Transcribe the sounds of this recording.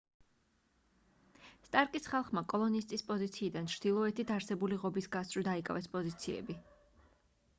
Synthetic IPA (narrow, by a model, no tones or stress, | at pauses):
st̪ʼaɾkʼisχalˠχmakʼɔlˠɔnist̪ʼispʼɔzit̪sʰiːd̪ant͡ʃʰɾd̪̥ilˠɔɛt̪ʰit̪ʰaɾsɛbuliʁɔbisɡasʼɾid̪aikʼa̰vɛspʼɔzit̪sʰiɛ̰bi